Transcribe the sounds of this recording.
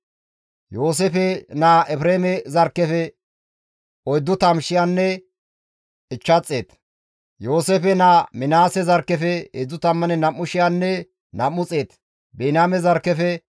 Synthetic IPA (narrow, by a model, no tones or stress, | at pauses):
jo̞ːs̬efɛnaːʔɛfɾeːmɛzɐɾkːɛfɛ | ʔɔjd̪ːʊt̪ɐmʃɪjanːɛ | ɪt͡ʃːɐt͡sʼːeːt̪ | jo̞ːseːfɛnaːmɪnaːsɛzɐɾkːɛfɛḛːd͡zʊt̪ɐmːɐnɛnɐmːʊʃɪjanːɛ | nɐmːʊt͡sʼe̞ːt̪ | beːnaːmɛzɐɾkːɛfɛ